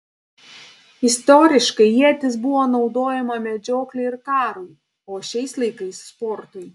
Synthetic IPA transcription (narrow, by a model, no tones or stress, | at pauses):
ɪst̪ɔɾʲɪʃkɐɪjiɛt̪ʲɪsbʊʋoːnɒʊd̪oːjɛmɐmʲɛd͡ʒʲoːklʲʊɪɾkɑːɾuj | oːʃʲɛɪslˠɐɪkɐɪsːpɔɾt̪ʊj